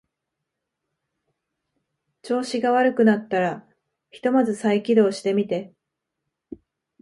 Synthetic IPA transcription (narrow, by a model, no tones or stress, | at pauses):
t͡ɕo̞ːɕiɡaβ̞aɾɯ̟kɯ̟nat̪ːaɾa | çi̥t̪o̞mazɨsaikʲid̪o̞ːɕi̥t̪e̞mʲit̪e̞